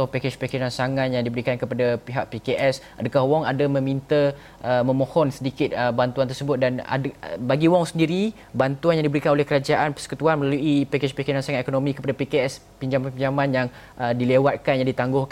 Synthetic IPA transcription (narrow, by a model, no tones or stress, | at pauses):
tʊhpeket͡ʃpekiɾansaŋat̪̚jaŋdibəɾikankəpadapiɦaʔ̚pikeʔɛs | adakaɦwɔŋadamə̃mint̪ə | ʔəmə̃mõhɔnsədikɪt̪̚əbant̪uant̪ərsəbʊt̪̚dana̰baɡiwɔŋsəndiɾi | bant̪uanjaŋdibəɾikanolɛhkəɾad͡ʒaʔanpə̥sə̥kut̪uanməlaluʔipeket͡ʃpekiɾansaŋat̪ekonomĩkəpadapikeɛs | piɲd͡ʒamanpiɲd͡ʒamãnjaŋ | ədilewat̪̚kanjaŋdit̪aŋɡʊh